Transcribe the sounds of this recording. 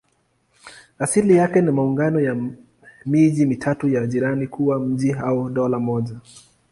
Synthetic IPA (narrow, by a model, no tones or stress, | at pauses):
asilijakɛnimauŋɡanɔja | miʄimitʰatujaʄiɾanikuwam̩ʄiɦauɗɔlamɔʄa